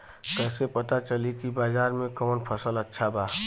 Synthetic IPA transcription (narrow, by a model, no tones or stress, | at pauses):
kəɦsepət̪at͡ʃəlikibad͡ʒaːɾmẽkɔːnpʰəsələtːʃʰaba